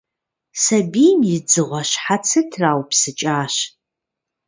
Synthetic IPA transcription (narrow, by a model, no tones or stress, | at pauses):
sɐbijmjɪd͡zɨʁʷaɕħat͡sʰɨtʰraːwpsɨt͡ʃʼaːɕ